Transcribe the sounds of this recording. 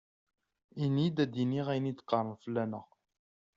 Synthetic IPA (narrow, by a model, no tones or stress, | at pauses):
inid̪æd̪iniʁæjnid̪qːɑrˤːənfəlːænəʁ